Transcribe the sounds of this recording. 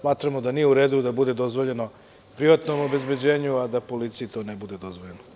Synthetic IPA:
maːt̪ɾamod̪anijeuɾe̞ːd̪ud̪abud̪e̞d̪o̞zʋo̞ʎe̞no̞ | pɾiʋat̪nomo̞be̞zbe̞d͡ʑeːɲuad̪apo̞lit̪sijit̪o̞nebud̪e̞d̪o̞zʋoʎeno

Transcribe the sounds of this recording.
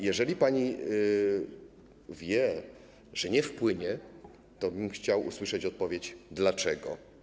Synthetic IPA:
jɛʐɛlʲipaɲi | vʲjɛ | ʐ̥ɛɲɛfpwɘɲɛ | t̪ɔbɘmxt͡ɕawṵswɘʂɛt͡ɕɔt̪̚pɔvʲjet͡ɕd̪lat͡ʂɛɡɔ̰

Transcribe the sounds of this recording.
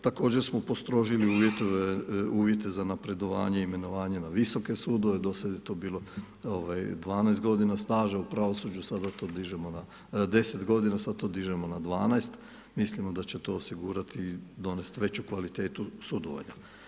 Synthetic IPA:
t̪ako̞ːd͡ʑe̞ɾsmopo̞st̪ɾo̞ʒiliuːʋje̞t̪oʋeuːʋje̞t̪e̞zanapɾe̞d̪o̞ʋa̰ːɲeime̞no̞ʋaːɲe̞naʋiso̞ke̞suːd̪o̞ʋe̞d̪o̞sad̪jet̪oːbiːlo̞ | oʋajd̪ʋaːnajst̪ɡo̞d̪inast̪aːʒaupɾaʋo̞sud͡ʑusad̪at̪oːd̪iʒemona | d̪e̞set̪ɡo̞d̪inasad̪t̪o̞ːd̪iʒemo̞nad̪ʋaːnajst̪ | mislimod̪at͡ɕe̞t̪o̞osiɡuːɾat̪id̪o̞ne̞st̪ʋe̞t͡ɕukʋalit̪eːt̪usud̪oʋa̰ɲa̰

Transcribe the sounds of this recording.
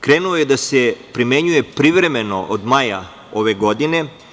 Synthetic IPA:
kɾenuojed̪asepɾimeɲuje̞pɾiʋɾe̞meno̞ʔod̪maja | oʋe̞ɡo̞d̪ine̞

